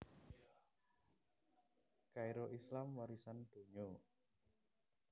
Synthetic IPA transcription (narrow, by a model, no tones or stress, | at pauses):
kaiɾoʔislamwaɾisand̪̥o̤ɲo